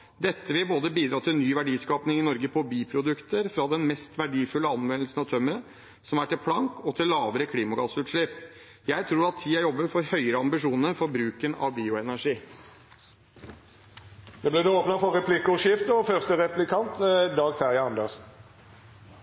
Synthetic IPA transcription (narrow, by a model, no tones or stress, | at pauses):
d̪ɛt̪ːəʋɪlboːd̪əbiːd̪ɾɑːt̪ʰɪnyːʋæɖiːskɑːpnɪŋɪnɔɾɡəpʰɔbiːpʰɾʊd̪ʉkt̪əɾfɾɑd̪ɛnmɛst̪ʋæɖiːfʉlːəɑnʋɛnlsən̩ɑt̪ʰœmːəɾə | sɔmæʈɪlpʰlɑŋkɔt̪ʰɪllːɑːʋəɾəkʰliːmɑɡɑːsʉːt̪ʂɭɛp | jæɪt̪ʰɾuːɾɑt̪ʰːiːæɾjɔbːəfɔɾhœʏəɾəɑmbɪʂuːnəɾfɔɾbɾʉːkənɑ̰ʋbiːʊɛnæʂiː | d̪ɛblɛd̪ɛoːpnɑfɔʁɛpʰlɪkʊʃɪft̪əɔfœʁst̪əʁɛplɪkʰɑnt̪d̪ɑːɡt̪ʰæʁjɑɑnd̪əʁsn̩